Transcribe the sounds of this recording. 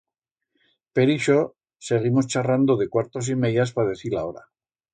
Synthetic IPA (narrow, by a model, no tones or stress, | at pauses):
pe̞ɾiʃo | se̞ɣ̞imo̞st͡ʃarand̪oðe̞kwaɾt̪os̬imejaspaðe̞θilao̞ɾa̰